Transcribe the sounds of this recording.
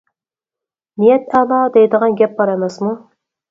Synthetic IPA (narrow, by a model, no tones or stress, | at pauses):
nijɛt̪ʰælˠɑd̪ɛjd̪əʁɑnɡʲɛp̚bɑɾɑmɛsmu